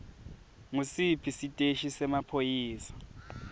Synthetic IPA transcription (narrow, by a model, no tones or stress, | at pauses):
ŋusipʰisitʼeʃisɛmapʰojiːsḁ